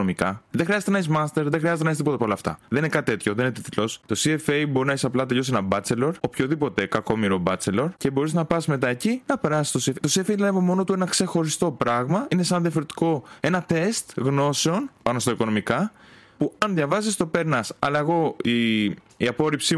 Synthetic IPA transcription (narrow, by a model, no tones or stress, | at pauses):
omikɐðexɾiɐzet̪enɐes̬mɐst̪e̞ɾðexɾiɐzet̪enest̪ipoɐpoolɐft̪ɐ̰ðeninekɐt̪t̪e̞t̪ço̞ðeninet̪it̪ilo̞st̪o̞siefejbo̞ɾinɐisɐplɐt̪̬e̞ʎo̞senɐbɐt͡se̞lo̞ɾopço̞ðipo̞t̪e̞kɐko̞miɾo̞bɐt͡se̞lo̞ɾce̞bo̞ɾiznɐpɐsme̞t̪ɐecinɐpe̞ɾɐsi̥st̪osieft̪osiefeilɐevomo̞no̞t̪uenɐkse̞xo̞ɾist̪o̞pɾɐɣmɐine̞sɐnðjɐfo̞ɾe̞t̪i̥ko̞e̞nɐt̪e̞st̪ɣno̞se̞o̞npɐno̞st̪ɐiko̞no̞mikɐ | puɐnðʝɐvɐsist̪o̞pe̞ɾnɐsɐ̰lɐeɣo̞i | iɐpo̞ɾipsi